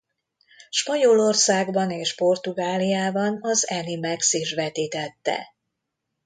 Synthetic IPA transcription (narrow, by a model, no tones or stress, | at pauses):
ʃpɒɲolo̞rsaːɡbɒneːʃpo̞rt̪uɡaːlijaːbɒnɒzɛnimɛksiʃvɛt̪iːt̪ɛt̪ːɛ̰